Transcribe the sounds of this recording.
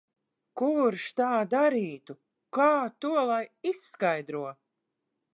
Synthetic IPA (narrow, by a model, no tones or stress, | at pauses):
kuɾʃt̪aːd̪aɾiːt̪u | kaːt̪uɔlˠajisːkajd̪ɾuɔ